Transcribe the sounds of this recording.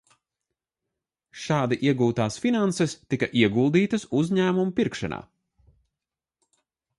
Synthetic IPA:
ʃɑːd̪iʔiɛɡuːt̪aːsfinansɛst̪ikɐʔiɛɡulˠd̪iːt̪ɐsuzʲɲæːmumupiɾkʃa̰na̰ː

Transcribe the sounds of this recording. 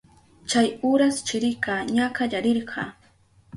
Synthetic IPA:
t͡ʃajʊɾast͡ʃɪɾɪkaɲakaʎaɾɪɾɢɑ

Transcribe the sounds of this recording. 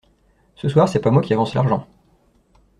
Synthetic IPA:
səswaʁsɛpamwakʲiavɑ̃sla̰ʁʒɑ̃

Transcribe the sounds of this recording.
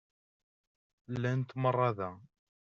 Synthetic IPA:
lːænt̪mərˤːɑðæ

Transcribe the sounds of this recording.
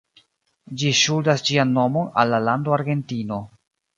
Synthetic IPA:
d͡ʒiʃuldasd͡ʒianːo̞mo̞na̰lːalandoaɾɡe̞ntino̞

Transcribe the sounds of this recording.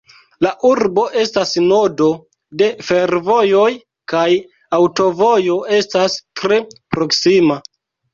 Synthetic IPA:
laʔuɾbo̞ʔe̞stasno̞do̞ | de̞fe̞ɾvo̞jo̞j | kaj | awto̞vo̞jo̞e̞stastɾepɾo̞ksima

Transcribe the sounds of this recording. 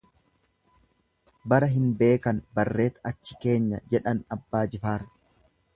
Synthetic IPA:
bɐɾɐɦɪnbe̞ːkɐnbɐrːe̞ːt̪ɐt͡ʃːɪ̥ke̞ːɲːɐd͡ʒɛᶑɐnɐbːaːd͡ʒɪfaːɾ

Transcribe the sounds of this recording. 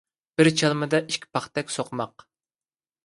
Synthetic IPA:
b̥ɪɾt͡ʃʰɑlˠmɨd̪ɑʔiʃkʲʰi̥pʰɑχt̪ɛkʲsoqʰmɑq

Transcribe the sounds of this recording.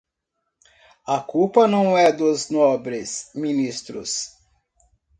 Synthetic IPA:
ɐkupɐnɐ̃w̃ɛd̪ʊznɔbɾɪsminist̪ɾʊ̰s

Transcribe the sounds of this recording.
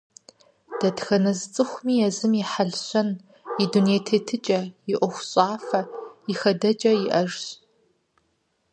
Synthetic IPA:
d̥ɐtxɐnɐzt͡sʼɨxʷʊmiːjɛzɨmiħaɮɕɐn | iduneːtʰetʰɨt͡ʃʼɐjɪʔʷɔxʷɕʼaːfɐɪxɐdɐd͡ʒʼɐjɪʔɐʒɕ

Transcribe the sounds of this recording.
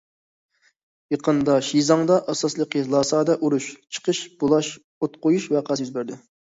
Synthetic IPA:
jəqənd̪ɑʃizɑŋd̪ɑʔɑsɑslˠəqilˠɑːsɑːd̪ɛʔuɾuʃt͡ʃʰə̥qʰəʃb̥olˠɑʃ | ot̪̚qojuʃvɛqʰɑsjyzbæɾd̪ɪ

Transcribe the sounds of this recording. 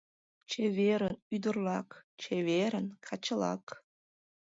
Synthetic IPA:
t͡ɕeveɾənyd̪ərlɑkt͡ɕʰeveɾənkʰɑt͡ɕəlɑ̰k

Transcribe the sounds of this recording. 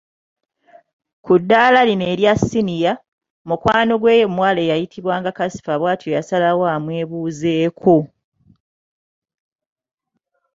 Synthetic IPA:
kudːaːlaline̞ːɾjasinija | mukwaːno̞ɡwe̞ːjomwaːleːjajitʰiβwaːŋɡakasi̥faβwaːtʰojasalawamweːβuːze̞ːkʰo

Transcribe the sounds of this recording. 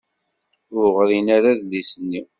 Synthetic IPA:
ʊʁɾinaɾaðlisənːiw

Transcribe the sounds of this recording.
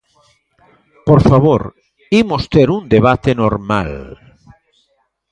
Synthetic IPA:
poɾfaβoɾ | imost̪eɾund̪eβat̪enoɾma̰l

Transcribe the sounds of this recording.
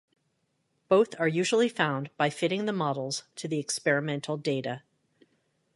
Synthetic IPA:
b̥oʊθə˞jʉʒl̩ˠifãʊ̃nb̥aɪfɪɾɪ̃ŋðəmɑɾl̩ˠz̥tʰɨðiɨkspɛɹɨmɛ̃ntʰˡl̩ˠdeɪɾɨ

